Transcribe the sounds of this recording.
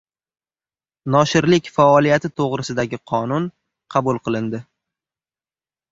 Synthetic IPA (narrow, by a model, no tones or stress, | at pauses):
nɒʃɪɾlɪkʲfaɒlˠijat̪ʰɪt̪ʰoʁɾɪsɪd̪aɡʲɪqʰɒnʊn | qʰɑbʊlˠqɨlˠɪnd̪ɪ